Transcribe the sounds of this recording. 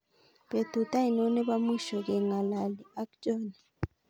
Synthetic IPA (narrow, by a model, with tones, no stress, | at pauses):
pe˨t̪u˨ta˦i˨nɔ˦nɛ˦ba˦mu˦ʃɔ˨kɛ˨ŋa˨la˨li˨a˦k̚d͡ʒɔ˦ni˨